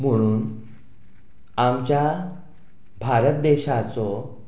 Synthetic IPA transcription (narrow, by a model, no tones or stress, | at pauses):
m̤əɽ̃uːn | amt͡ɕja | bʱaɾət̪̚d̪eɕat͡sɔ